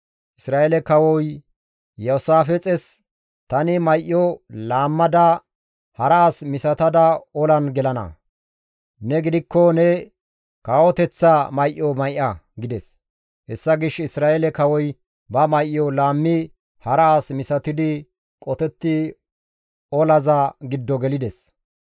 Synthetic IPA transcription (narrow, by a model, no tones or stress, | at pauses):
ʔɪsɾaːelɛkɐwɔj | jɔsaːfɛt͡sʼɛs | t̪ɐnɪmɐjʔjɔlaːmːɐd̪ɐ | hɐɾɐasmɪsɐt̪ɐd̪ɐɔlɐnɡɛlɐnɐ̰ | nɛɡɪd̪ɪkːɔnɛ | kaːwɔt̪ɛt͡sːɐmɐjʔːɔmɐjʔɐɡɪd̪ɛs | hɛsːɐɡɪʃɪsɾaːʔelɛkɐwɔj | bɐmɐjʔjːɔlaːmːɪ | hɐɾɐasmɪsɐt̪ɪd̪ɪ | kʼɔt̪ɛt̪ːɪ | ɔlɐzɐɡɪd̪ːɔɡɛlɪd̪ɛs